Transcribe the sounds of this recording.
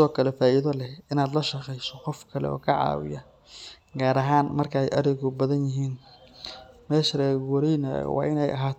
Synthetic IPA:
sɔːkʰɐlɛfaːʔiðɐlɛhɪnaːd̪lɐʃɐqɛjsɔqɔfkʰɐlɛ̰ɔ̰ːkʰɐʕɑ̰ːwɪ̰jɐ | ɡaːɾɐɦaːnmɐrkʰɐɛjʔɐɾɪɣʊbɐðɐnjɪɦiːn | mɛːʃrɛːwɐɾɛjna̰wɑ̰ːʔɪnɛjʔɐ̰ɦaːt̪ʰ

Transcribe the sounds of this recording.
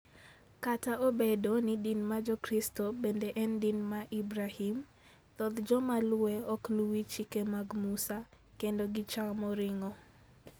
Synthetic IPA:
kataobedonidinmad͡ʒɔkɾistobendeʔɛndinmaʔibɾahim | t̪ɔd̪d͡ʒɔmalʊweɔkluwit͡ʃikemaɡmusa | kendoɡɪt͡ʃaŋmɔɾɪŋɔ

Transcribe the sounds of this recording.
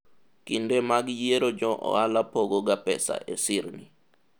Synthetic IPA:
kindemaɡjeɾod͡ʒɔʔɔ̰alapoɡoɡapɛ̰sa̰ʔesɪɾnḭ

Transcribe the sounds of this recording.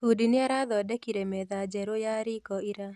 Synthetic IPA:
udinɪaɾaðɔdɛkiɾemɛðad͡ʒɛɾojaɾikɔiɾa

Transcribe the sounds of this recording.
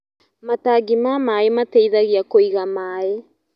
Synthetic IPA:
mataɡimamaːematejðaɣiakojɣamaːe

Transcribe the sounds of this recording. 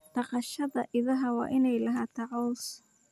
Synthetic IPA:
t̪ɑqɑʃɐðɐʔɪðɐɦɐwɑ̰ːʔɪnɛjlɐɦaːt̪ʰɑʕɔls

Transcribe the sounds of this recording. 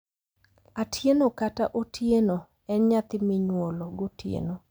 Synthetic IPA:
atʰjenokataʔotʰjeno | ɛnɲat̪ɪmɪɲwoloɡotjḛno

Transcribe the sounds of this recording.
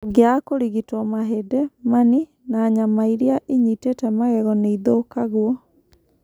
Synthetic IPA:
ɡeakoɾiɣitɔmaɦɛdɛmani | naːɲamaiɾiaʔeɲitetɛmaɣɛɣɔneiðokaɣwɔ

